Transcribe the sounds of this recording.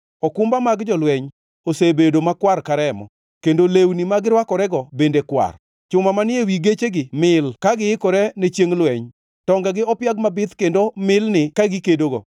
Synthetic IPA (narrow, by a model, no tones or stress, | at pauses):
ɔkʊmbamaɡd͡ʒɔlwɛɲ | osebedomakwarkaɾɛmɔ̰ | kendolewnimaɡɪɾwakɔɾɛɡɔbendekwa̰r | t͡ʃʊmamanɪewiɡet͡ʃeɡɪmɪlkaɡɪɪkɔɾɛnet͡ʃjeŋlwɛɲ | tɔŋɡaɡɪɔpjaɡmabɪt̪kendomɪlnɪkaɡɪkedoɡɔ̰